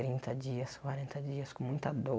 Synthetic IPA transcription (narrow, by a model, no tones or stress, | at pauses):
ɾĩnt̪ɐd͡ʒiɐskwaɾẽnt̪ɐd͡ʒiɐskõmũj̃t̪ɐd̪o